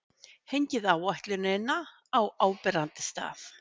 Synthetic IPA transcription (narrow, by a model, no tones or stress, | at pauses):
hejɲcɪðaːwajht̪lɪnɪnːa | awaːwpɛɾant̪ɪ̥st̪a̰ːθ